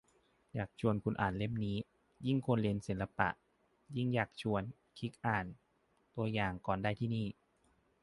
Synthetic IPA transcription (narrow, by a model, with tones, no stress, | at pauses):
jaː˨˩k̚t͡ɕʰu˧ənkʰu˧nʔaː˨˩nle˥˩mniː˦˥ | ji˥˩ŋkʰo˧nli˧nsi˩˦nla˧pa̰˨˩ʔ | ji˥˩ŋjaː˨˩k̚t͡ɕʰu˧ən | kʰi˦˥k̚ʔaː˨˩n | t̪u˧əjaː˨˩ŋkɔː˨˩ndaː˧˩jt̪ʰiː˥˩˨niː˥˩